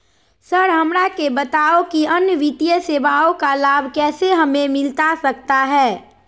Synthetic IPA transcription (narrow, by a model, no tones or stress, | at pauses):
səɾɦɐmɾakebət̪aːokiɐnjəʋɪt̪ijəseːbaːokalaːbʱkɛːseɦɐmẽmɪlt̪asɐkt̪aɦɛː